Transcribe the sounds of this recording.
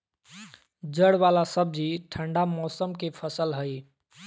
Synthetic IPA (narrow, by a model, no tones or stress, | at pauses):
d͡ʒəɽbalasəb̚d͡ʒiʈʰəɳɖamɔsəmkepʰəsəlɦəj